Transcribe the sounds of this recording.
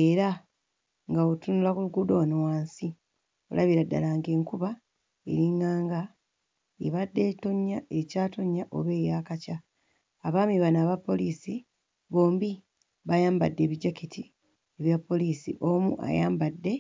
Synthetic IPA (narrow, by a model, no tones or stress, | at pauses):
eɾa | ŋɡaotunulakuluɡuːdo̞nowaːnsi | o̞̰lʔaβiɾadːa̰laːŋɡe̞ːŋkuβa | e̞̰ɾiŋaːŋɡa | ḛβadːe̞ːto̞ɲːaecaːto̞ɲːaʔo̞̰βe̞ːjaːkacaː | βaːmiβanaːβapːo̞liːsi | βo̞ːmbi | βajaːmba̰dːe̞ːβiɟakitʰi | eβjapːo̞liːsḭʔomṵʔa̰jaːmbadːe̞